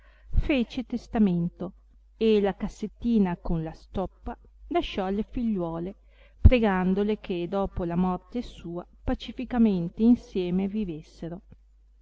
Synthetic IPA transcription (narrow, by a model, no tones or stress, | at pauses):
feːt͡ʃet̪est̪ament̪o | elakasːet̪ːiːnakonlast̪ɔpːa | laʃɔlːefiʎːwɔːle | pɾeɡand̪olekʰed̪ɔːpolamɔrt̪esuːa | pat͡ʃifikament̪einsjɛːmevivesːeɾo